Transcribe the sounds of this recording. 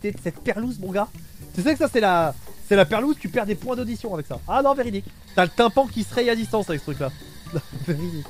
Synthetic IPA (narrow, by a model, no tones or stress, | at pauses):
t̪esɛt̪pɛʁluzmɔ̃ɡat̪ysʁɛksasɛlasɛlapɛʁluzt̪ypɛʁd̪epwɛ̃d̪od̪isjɔ̃avɛksa̰anɔ̃veʁid̪ik | t̪yalət̪ɛ̃pɑ̃kʲisχɛjad̪ist̪ɑ̃savɛksət̪ʰχykla | nɔ̃veʁid̪ik